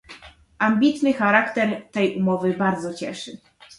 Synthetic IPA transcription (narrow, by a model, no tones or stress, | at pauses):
ʔamʲbʲit̪nɘxaɾakt̪ɛɾt̪ɛjʔumɔvɘbaɾd̪zɔt͡ɕɛʂɘ